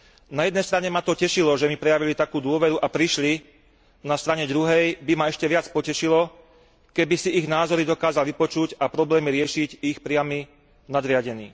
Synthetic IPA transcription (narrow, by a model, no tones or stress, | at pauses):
najɛd̪nɛjst̪ɾaɲɛmat̪ɔcɛʃilɔʒɛmipɾɛjaʋilit̪akuːd̪ʊɔʋɛɾuʔapɾiʃli | nast̪ɾaɲɛd̪ɾuɦɛjbimaɛʃcɛʋɪat͡spɔcɛʃilɔ | kɛbisiʔiɣnaːzɔɾid̪ɔkaːzalʋipɔt͡ʃuɟapɾɔblɛːmiɾɪɛʃiɟixpɾɪami | nad̪ɾɪaɟɛnḭː